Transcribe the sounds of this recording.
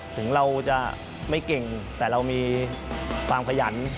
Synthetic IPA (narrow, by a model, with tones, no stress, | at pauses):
t̪ʰɯ˩˦ŋɾa˧wt͡ɕa˨˩ | ma˥˩jke˨˩ŋt̪ɛː˨˩ɾa˧wmiː˧ | kʰwaː˧mkʰa˧ja˩˦n